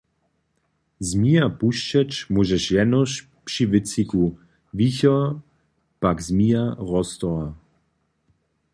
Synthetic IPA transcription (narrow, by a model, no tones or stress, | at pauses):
zmiapuʃt͡ʃɛt͡ʃmuʒɛʃjɛnɔʃ | pʂivɪt͡siku | viçɔ | pakzmiaʁɔst̪ɔa